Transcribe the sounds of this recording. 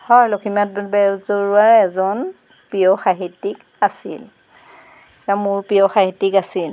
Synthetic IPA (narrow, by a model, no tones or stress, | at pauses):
hɔjlokʰimat̚bɛɹzoɹuaɹɛzɔn | pijɔxaɦitːik | asḭl | tamʊɹpijɔxaɦitːikasil